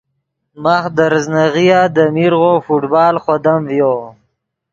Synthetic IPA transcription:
maxd̪əɾznaɣijad̪əmiɾɣofuʈbɑːlχod̪amvjo

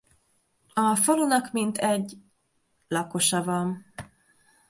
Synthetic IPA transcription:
ɒfolunɒkmint̪ʰɛɟ | lɒko̞ʃɒvɒn

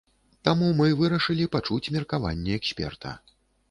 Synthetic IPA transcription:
t̪amumɨvɨɾɐʂɨlʲipat͡ʂut͡sʲmʲɛrkava̰nʲːɛɛksʲpʲɛ̰rt̪ʰɐ̰

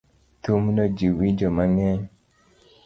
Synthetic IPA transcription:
tumnɔd͡ʒiwid͡ʒɔmaŋɛɲ

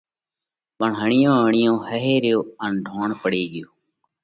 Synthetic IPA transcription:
pəɳɦəɳɪjõːəɳɪjõːhəɦeːɾjoːənɖʱoːɳpəɽeːɡɪjoː

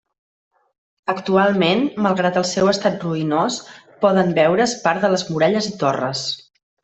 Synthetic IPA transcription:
əkt̪ualˠmenməlˠɣɾat̪əlˠsɛwəst̪at̪̚ruinos | pɔðəmbɛwɾəspaɾðələzmuɾɛʎəzit̪orə̰s

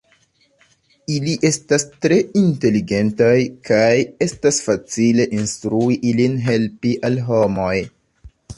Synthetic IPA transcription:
iliʔe̞stastɾe̞inte̞liɡe̞ntajkʰaje̞stasfat͡sile̞ʔinstɾuiʔilinɦe̞lpiʔalɦo̞mo̞j

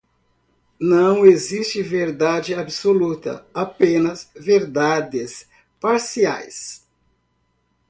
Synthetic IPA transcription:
nɐ̃w̃ezist͡ʃɪveɾd̪ad͡ʒɪabsolut̪ɐ̰apẽnɐsveɾd̪ad̪ɪs | paɾsia̰js

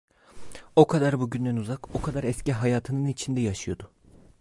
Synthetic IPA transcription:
o̞kʰad̪aɾbuɟynd̪ænuzako̞kʰad̪aɾɛsciɦajaːt̪ʰɯnɯnit͡ʃʰind̪ɛjaʃɯjo̞d̪ʊ

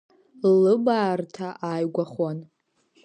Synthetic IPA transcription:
lɨbaːrtʰaʔaːjɡʷaχwan

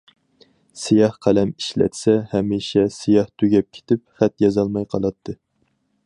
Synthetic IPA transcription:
sijɑhqʰælɛmiʃlɛ̰t̪sɛhɛmiʃɛsijɑht̪ʰyɡʲɛp̚kʲʰe̥t̪ʰɪp̚χɛt̪jɑzɑlˠmɑjqʰɑlˠɑt̪ʰːɨ

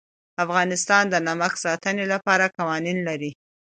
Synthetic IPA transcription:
afɣɑnɪst̪ɑnd̪ənaməxsɑt̪ənelapɑɾakawɑninlaɾi

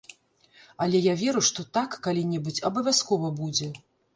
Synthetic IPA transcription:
ɐlʲɛjavʲɛɾuʂt̪ɔt̪akːalʲinʲɛbut͡sʲɐbɐvʲaskɔvɐbud͡zʲɛ

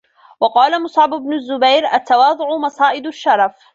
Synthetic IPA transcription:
wɑqɑːlamʊsˤʕɑbʊbnʊzːʊbajɾʔat̪ːawɑːd̪ˤʊʕʊmɑsˤɑːʔɪd̪ʊʃːɑɾˤɑf

